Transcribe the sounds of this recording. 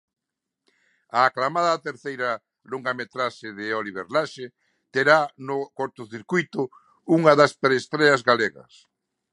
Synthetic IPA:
aːklamaðɐːt̪eɾθejɾɐ | loŋɡamet̪ɾaʃeðɪoliβḛɾlaʃe | t̪eɾanʊkɔɾt̪ʊθiɾkujt̪ʊ | uŋɐðɐspeɾest̪ɾɛɐzɣaleɣɐ̰s

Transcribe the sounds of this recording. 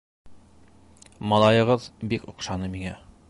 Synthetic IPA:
mɒlˠɑjɤ̆ʁɤðbikŏqʃɑnɤmiŋæ

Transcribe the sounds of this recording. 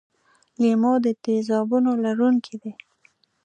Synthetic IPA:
limod̪ət̪ezɑbunolaɾuŋkʰid̪e

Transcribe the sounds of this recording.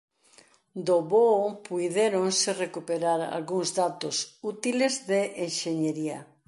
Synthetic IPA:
d̪oβopujðeɾonsɪrekupeɾaɾa̰lɣuŋzðat̪osut̪ilezðeʔeŋʃeɲeɾiɐ̰

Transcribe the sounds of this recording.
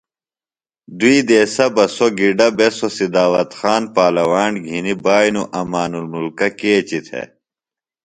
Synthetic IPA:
d̪uid̪eːsɐbɐsoɡiɖɐbesosid̪aːwɐt̪xaːnpaːlɐwaːnɡʱinibaːjnuʔɐmaːnulmulkɐkeːt͡ɕit̪ʰḛ

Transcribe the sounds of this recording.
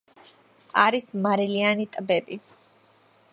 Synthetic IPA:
aɾismaɾɛlianit̪ʼbɛbi

